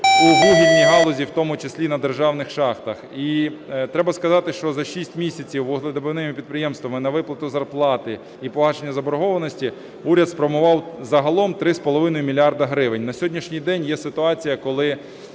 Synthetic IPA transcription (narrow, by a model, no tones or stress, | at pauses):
uɦlˠuɦʲidʲnʲiɦɑlˠɔzʲiwt̪ɔmʊt͡ʃesʲlʲinɐd̪erʒɑwnɪxʃɑxt̪ɐxit̪ɾɛbɐskɐzɑt̪ɪʃt͡ʃɔzɐʃisʲtʲmʲisʲɐt͡sʲiwʊɦlˠed̪ɪbenɪmɪpʲid̪̚pɾɪjɛmst̪ʋɐmɪnɐʋɪplˠɐt̪ʊzɐrplˠɑt̪ɪ | ipɔɦɑʃenʲːɐzɐbɔɾɔɦɔʋɐnɔsʲtʲi | uɾʲɐd̪spɾɔmʊʋɑwzɐɦɐlˠɔmt̪ɾɪspɔlˠɔʋɪnɔjʊmʲilʲiɑrd̪ɐɦɾɪʋɪnʲnɐsʲɦɔdʲnʲiʃnʲijd̪ɛnʲjɛsɪt̪ʊɑt͡sʲijɐkɔlˠɪ